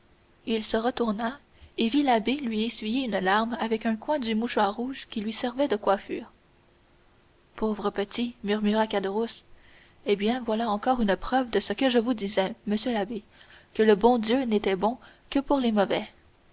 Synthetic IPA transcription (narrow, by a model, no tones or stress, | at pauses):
ilsəʁət̪uʁna | evilabelɥiesɥijeynlaʁmavɛkœ̃kwɛ̃d̪ymuʃwaʁːuːʒkʲilɥisɛʁvɛd̪əkwafyːʁ | pʰovʁəpət̪imyʁmyʁakad̪əʁus | ebjɛ̃vwalaɑ̃kɔːʁynəpχœvd̪əsəkəʒəvud̪izɛməsjølabe | kələbɔ̃d̪jønet̪ɛbɔ̃ | kəpuʁlemɔvɛ